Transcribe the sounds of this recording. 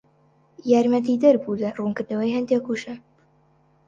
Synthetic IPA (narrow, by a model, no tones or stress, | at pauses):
jaːɾmɐt̪id̪ɐɾbud̪ɐruːnkɨɾd̪ɐwɐjhɐnd̪eːkuʃɐ